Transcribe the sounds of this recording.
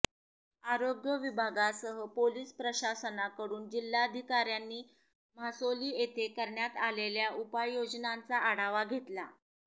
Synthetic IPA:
aɾoɡjəʋibʱaɡasəɦəpoliːspɾəɕasənakəɽuːnd͡ʑilːaəd̪ʱikaɾjanːiː | m̤asoliːet̪ʰekəɾɳjat̪aleljaupajjod͡ʑnant͡saʔːɽaʋaɡʱet̪la̰

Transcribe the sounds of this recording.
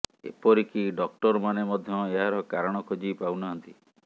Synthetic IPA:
ḛpɔɾikiɖɔk̚ʈɔɾmanemɔd̪ʱjɔeɦaɾɔkaɾɔɽ̃ɔkʰod͡ʒipawnaɦɔnt̪i

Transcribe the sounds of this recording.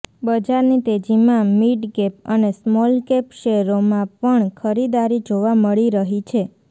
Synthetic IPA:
bəd͡ʒaɾnit̪ed͡ʒimãmiʈkepənesmɔlkepʃeɾomãpəɳkʰəɾid̪aɾid͡ʒoʋaməɭiɾəɦit͡ʃʰe

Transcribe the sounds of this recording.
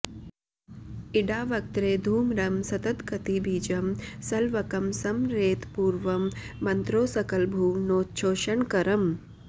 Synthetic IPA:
iɖaːʋɐk̚t̪ɾeːd̪ʱuːmɾɐmsɐt̪ɐt̪kɐt̪ibʱiːd͡ʒɐmsɐlʋɐkɐmsɐmɾeːt̪puːɾʋɐmːɐnt̪ɾoːsɐkɐlbʱuːnoːtt͡ʃʰoːʃɐɳkɐɾɐm

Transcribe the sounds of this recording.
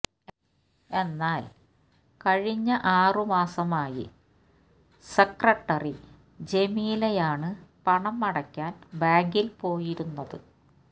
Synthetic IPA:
e̞nːaːl | kɐɻiɲːɐʔaːrɨmaːsɐmaːjḭ | sekrɐʈːɐri | d͡ʑe̞miːlejaːɳɨpɐɳɐmːɐɽɐkʲːaːnbaːŋɡilpo̞ːjiɾunːɐðɨ

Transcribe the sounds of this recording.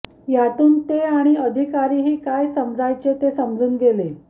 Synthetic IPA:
jat̪uːnt̪eaɽ̃iəd̪ʱikaɾiːɦiːkajsəmd͡zʱajt͡ɕet̪esəmd͡zuːnɡele

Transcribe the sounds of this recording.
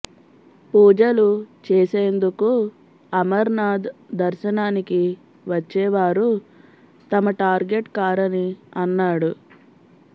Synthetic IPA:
puːd͡ʒɐlut͡ʃeːseːnd̪uku | ɐmɐɾnaːd̪ːɐɾʃɐnaːniki | ʋɐt͡ʃːɛːʋaːɾu | t̪ɐmɐʈaːɾɡe̞ʈkaːɾɐniɐnːaːɽu

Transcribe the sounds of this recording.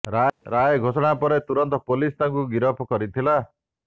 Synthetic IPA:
ɾaɾajɡʱosɔɽ̃apɔɾet̪uɾɔnt̪ɔpolist̪aŋkuɡiɾɔpʰɔkɔɾit̪ʰila

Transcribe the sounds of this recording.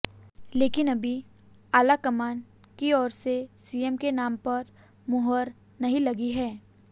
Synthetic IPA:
leːkɪnɐbʱi | aːlakɐmaːn | kiɔːɾsesiːemkenaːmpɐɾ | mʊɦəɾ | nɐɦĩlɐɡiɦɛː

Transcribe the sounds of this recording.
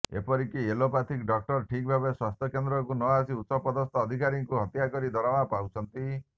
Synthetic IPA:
ḛpɔɾikielopat̪ʰikɖɔk̚ʈɔɾʈʰik̚bʱabeswast̪ʰjɔkend̪ɾɔkunɔasiut̪sɔpɔd̪ɔst̪ɔːd̪ʱikaɾiŋkuɦɔt̪jakɔɾid̪ɔɾamapawt͡ʃʰɔnt̪i

